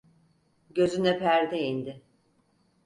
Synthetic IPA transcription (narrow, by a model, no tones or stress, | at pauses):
ɟø̞zynɛpʰæɾd̪ɛind̪ɪ